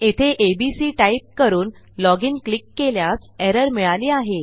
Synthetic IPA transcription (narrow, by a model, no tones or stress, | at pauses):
et̪ʰeʔebisiːʈaip̚kəɾuːn | lɔɡiːnklikːeljasɛɾəɾmiɭaliːaɦe